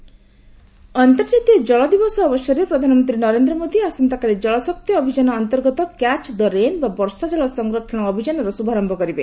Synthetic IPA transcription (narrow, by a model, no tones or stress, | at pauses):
ɔnt̪ɔɾd͡ʒat̪ijɔd͡ʒɔɭɔd̪ibɔsɔːbɔsjɔɾepɾɔd̪ʱanɔmɔnt̪ɾinɔɾend̪ɾɔmod̪iasɔnt̪akaɾed͡ʒɔɭɔsɔk̚t̪jɔːbʱid͡ʒanɔːnt̪ɔɾɡɔt̪ɔkat͡ʃd̪ɔɾenbabɔɾsad͡ʒɔɭɔsɔŋɡɾɔʈʰɔɽ̃ɔːbʱid͡ʒanɔɾɔsubʱaɾɔmbʱɔkɔɾibe